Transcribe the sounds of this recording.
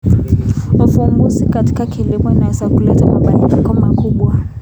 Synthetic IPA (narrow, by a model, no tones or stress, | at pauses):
ufumbuzikati̥kakilimɔinawɛzakulɛtamaɓaɲamikɔmakuɓwa